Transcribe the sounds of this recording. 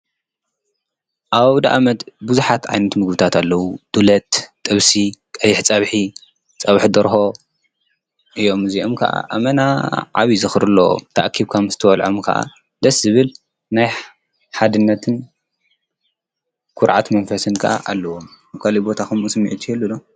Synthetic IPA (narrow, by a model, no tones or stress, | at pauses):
ʔaβd̪a̰ʔamɐt̪buzuħat̪ʕajnɐt̪mɨɡbɨt̪ʰat̪ʰalːɐwud̪̥ulɐt̪ːʼɨβsikʼɐjɪħt͡sʼɐβħi | t͡sʼɐβħd̪ɐɾɦo̞ | ʔɨjo̞mɨziomkʰɐ̰ʔa̰ʔamɐnaʕaβizɨxɾɨlːo̰t̪ʰɐ̰ʔkʰiβkʰamzɨt̪ʰɐwɐlʕomkʰɐ̰ʔa̰ | d̪ɐszɨβɨl | naj | ħad̪ɨnːɐt̪ʰɨn | kʰʊɾʕat̪mɐnfɐsɨnkʰɐ̰ʔa̰ʔalːɐwo̞m | βkʰalibo̞t̪ʰaxumɨsmiʕɨt̪ʰːihɛlːulo